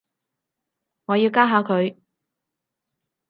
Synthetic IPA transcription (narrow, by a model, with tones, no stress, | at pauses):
ŋɔː˨˧jiː˧wkaː˥ɦaː˨˧wkʰɵ˨˧ɥ